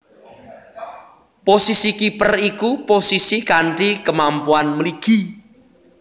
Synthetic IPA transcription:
posisikipərikuposisikaɳʈikəmampuanməliɡ̥i̤

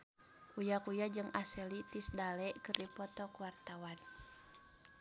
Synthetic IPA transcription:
ujakujad͡ʒɨŋʔasɛlit̪isdalɛkɨrdipɔt̪ɔkuwart̪awan

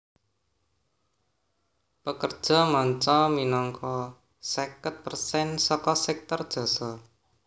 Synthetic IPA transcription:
pəkərd̥ʒ̥ɔ̤mɔɲt͡ʃɔminɔŋkɔ | sekət̪̚pərsɛnsɔkɔsɛk̚t̪ɔrd̥ʒ̥ɔ̤sɔ

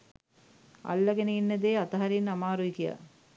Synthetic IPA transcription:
ɐ̰lːɐɡeneinːɐd̪eːat̪ɐɦɐɾinɐmaːɾujikija̰

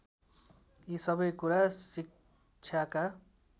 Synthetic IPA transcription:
isʌbʌjkuɾasik | t͡sʰjaka

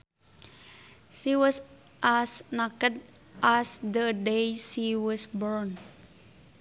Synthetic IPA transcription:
siwɔs | ʔasnakəd | ʔasd̪ədejsiwɔsbɔɹn

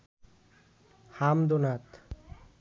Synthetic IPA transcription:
hamd̪onat̪

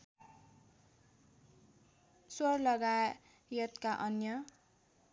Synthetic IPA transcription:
swʌrlʌɡa | jʌt̪kaʔʌnjʌ

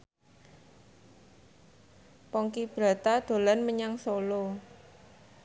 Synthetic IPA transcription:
pɔŋkib̥ɾa̤t̪ad̪̥o̤lanməɲaŋsolo

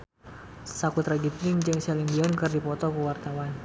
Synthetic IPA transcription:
sakut̪ɾadiplɪŋd͡ʒɨŋsɛliŋbiɔnkɨrdipɔt̪ɔkəwart̪awan

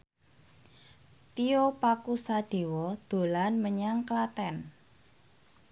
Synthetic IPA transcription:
t̪iopakusaɖ̥e̤wɔd̪̥o̤lanməɲaŋklat̪ɛn

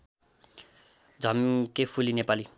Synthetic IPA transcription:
d͡zʱʌmkepʰulinepali

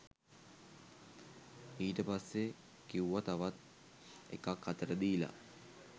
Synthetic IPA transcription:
iːʈəpasːe | kiwʋat̪aʋat̪̚ | ḛkakːat̪əɾəd̪iːla̰

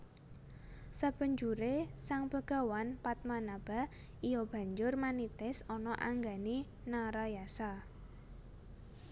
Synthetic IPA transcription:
sab̥ə̤ɲd͡ʒuɾesaŋbəɡ̥a̤wanpat̪̚manab̥a̤ | ijɔb̥a̤ɲd͡ʒʊrmanit̪ɪsɔnɔʔaŋɡa̤ni | naɾajasa

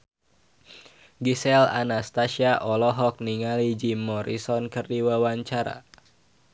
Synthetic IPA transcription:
ɡisɛla̰nast̪asiaʔɔlɔɦɔk̚niŋalid͡ʒimɔɾisɔnkɨrdiwawaɲt͡ʃaɾa̰

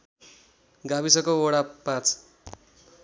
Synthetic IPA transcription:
ɡabisʌkooɽapãt͡sʰ

